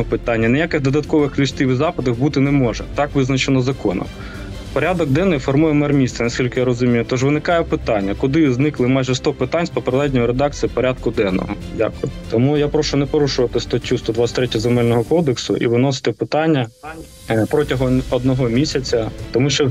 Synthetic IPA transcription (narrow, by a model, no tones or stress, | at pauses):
pɪt̪ɑnʲːɐnejakɪxd̪ɔd̪ɐt̪kɔʋɪxlʲiʃt̪iʋʲizɑpɐd̪ɐxbut̪ɪnɛmɔʒɛt̪ɑkʋɪznɐt͡ʃenɔzɐkɔnɔ̰m | pɔɾʲad̪ɔɡ̚d̪ɛnːɔjfɔrmujɛmɛrmʲist̪sɐnɐsʲkʲilʲkɪjaɾɔzʊmʲijʊt̪ɔʒʋɪnɪkɑjɛpɪt̪ɑnʲːɐkʊd̪ɪznɪklˠɪmɑjʒɛst̪ɔpɪt̪anʲspɔpɾd̪ˠɛdʲnʲɔjʊɾed̪ɑkt͡sʲijipɔɾʲad̪kʊd̪ɛnɔ̰ɦɔ | dʲa̰kʊt̪ɔmujapɾɔʃʊnɛpɔɾuʃʊʋɐt̪ɪst̪ɐtʲːust̪ɔd̪ʋasʲt̪ʲɾɛtʲɐzemɛlʲnɔɦɔkɔd̪eksʊ̰ʔḭʋɪnɔs̬ɪ̥t̪ɪpɪt̪ɑnʲːɐ | pɾɔtʲɐɦɔɔd̪̚nɔɦɔmʲisʲɐt͡sʲɐt̪ɔmuʃɛ